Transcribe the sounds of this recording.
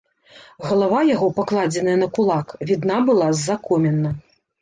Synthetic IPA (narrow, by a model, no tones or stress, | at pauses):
ɣɐlˠavajaɣɔpaklˠad͡zʲɛnɐjɐnɐkulˠakvʲid̪nabɨlˠazːakɔmʲɛnːɐ